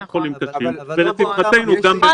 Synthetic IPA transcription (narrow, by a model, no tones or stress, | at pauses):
χolimkaʃimvelet̪ifχat̪e̞jnuɡambe